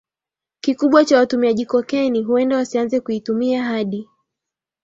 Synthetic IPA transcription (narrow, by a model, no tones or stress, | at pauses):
kikuɓwat͡ʃawatumiaʄikɔkɛniɦuɛndawasianzɛkuitumiaɦaɗi